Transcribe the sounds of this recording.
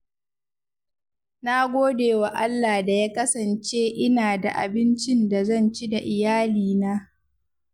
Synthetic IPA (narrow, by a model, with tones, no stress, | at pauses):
na˦ɡʷoː˦deː˨wa˨ʔa˦lːaː˨da˨jaː˦kɐ˦sɐ˨nt͡ʃeː˦ʔɪ˦naː˨da˨ʔa̰˨bɪ˦nt͡ʃɪ˦nda˨zɐ˦˨nt͡ʃi˦da˨ʔɪ˨jaː˦liː˨naː˦